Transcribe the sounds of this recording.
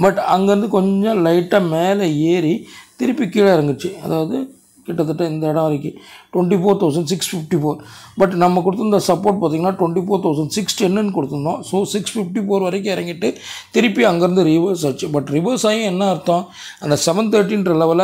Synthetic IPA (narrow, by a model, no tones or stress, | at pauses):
bɐʈːɐŋɡɐɪɾɯnd̪ɯkɔɲd͡ʒɔ̃lɐɪʈːameːlɐeːɾit̪ɪɾɪpːikiːɭɐɪɾɐŋɡɯt͡ʃːɯɐðaːʋɐðɯ | kɪʈːɐt̪̬ːɯʈːɐ̃ɪnd̪ɐɪɽɐ̃ʋɐɾɐkːɯ̃ʈwɐɳʈifoːɾt̪ɐʊs̬ɐɳɖsɪksfɪfʈifoːɾbɐʈnɐmːɐkʊɽɯt̪ːɯnd̪ɐsɐpːoːɾʈ̚paːt̪iːŋɡɐnːaːʈwɐɳʈifoːɾt̪ɐʊsɐɳɖsɪksʈɛnːɯnkɔɽɯt̪ːɯnd̪õːsoːsɪksfɪfʈifoːɾʋɐɾɐk̬ːɯ̃ɪɾɐŋɡɪʈːɯt̪ɪɾɪpːiɐŋɡɐɪɾɯnd̪ɯɾɪʋɐɾsaːt͡ʃːɯbɐʈːɾɪʋɐɾsaːjʊ̃ɛnːɐɪɾɯt̪ːõː | ɐnd̪ɐsɛʋɐnt̪eːɾʈ̬ːinɾɐlɐʋɐl